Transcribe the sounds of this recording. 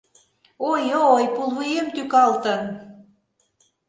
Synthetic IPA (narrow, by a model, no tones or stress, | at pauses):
ojoojpulˠβujemt̪ykɑlt̪ə̆n